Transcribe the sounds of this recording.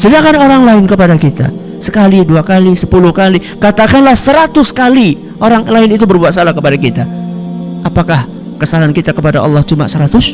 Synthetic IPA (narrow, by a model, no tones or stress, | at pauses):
səliakanoɾaŋlaɪnkəpadakit̪a̰ | səkaliduakalisəpulʊhkali | kat̪akanlahsəɾat̪ʊskali | ʔoɾaŋlaɪnit̪̬ubərbuat̪̚salahkəpadakit̪a | ʔapakah | kəsalankit̪akəpadaʔɑ̰lːɑhd͡ʒuma̰ʔsəɾat̪ʊs